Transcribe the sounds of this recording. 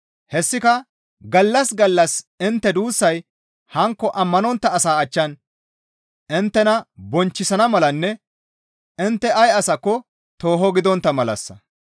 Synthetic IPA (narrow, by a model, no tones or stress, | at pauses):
hɛsːɪkɐ | ɡɐlːɐsɡɐlːɐsɪnt̪ːɛd̪uːsːɐj | hɐŋkːɔʔɐmːɐnɔnt̪ːɐːsaːɐt͡ʃːɐn | ɪnt̪ːɛnɐbɔnt͡ʃːɪsɐnɐmɐlɐnːɛ | ɪnt̪ːɛʔɐjɐsɐkːɔ | t̪o̞ːɦɔɡɪd̪ɔnt̪ːɐmɐlɐ̰sːɐ̰